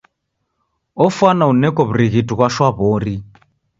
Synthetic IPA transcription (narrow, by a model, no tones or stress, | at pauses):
ɔfwanaunɛkɔβuɾiɣituɣwaʃwaβɔɾi